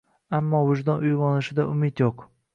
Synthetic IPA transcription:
amːɒwʊʒd̪ɒnʊjʁɒnɪʃɪd̪aʊmɪt̪joq

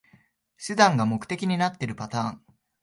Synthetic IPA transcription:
ɕɨd̪ãŋɡamo̞kɯ̟̥e̞kʲiɲ̟inat̪ːe̞ɾɯ̟pat̪ãːŋ

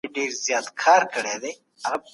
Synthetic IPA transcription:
eɖeːɾzjɑːt̪kʰɑːɾkəɽed̪e | ɐɣɐ

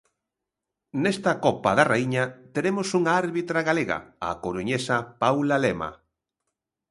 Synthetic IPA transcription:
nest̪ɐkɔpɐ̰ðɐreiɲɐt̪eɾemosuŋaaɾβit̪ɾaɣaleɣɐ̰a̰koɾuɲesɐpawlalema̰

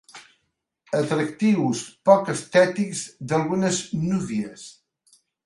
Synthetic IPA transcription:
ət̪ɾəkt̪iwspɔkəst̪ɛt̪ikzd̪əlˠɣunəznuβiəs

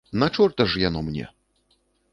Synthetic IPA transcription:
nat͡ʂɔrt̪ɐʐjanɔmnʲɛ̰

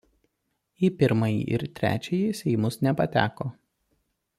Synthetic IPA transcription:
iːpʲɪɾmɐjḭʔɪ̰ɾt̪ʲɾʲæ̰ːt͡ʃʲɛjisʲɛɪmʊsnʲɛpɐt̪ʲæ̰ːkoː

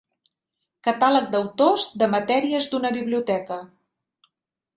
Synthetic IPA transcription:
kət̪alək̚d̪əwt̪ozd̪əmət̪ɛɾiəzd̪unəβiβliut̪ɛkə

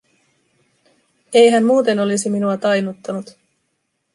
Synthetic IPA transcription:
ejɦæmmuːt̪e̞no̞lisiminuɑt̪ɑjnut̪ːɑnut̪

